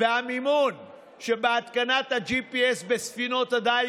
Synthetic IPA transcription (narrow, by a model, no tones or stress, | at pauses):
aːmimuːn | ʃɐbaːt̪kɐnat̪ɐd͡ʒiːpiesbesfinoːt̪ɐd̪aː